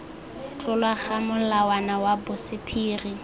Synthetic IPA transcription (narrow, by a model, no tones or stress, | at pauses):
t͡ɬʼʊlwaχamʊlawanawabʊsɪpʰiːri